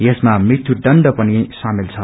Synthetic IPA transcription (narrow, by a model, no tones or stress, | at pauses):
jesmamrit̪ʰːuɖʌɳɖʌpʌnisamilt͡sʰʌ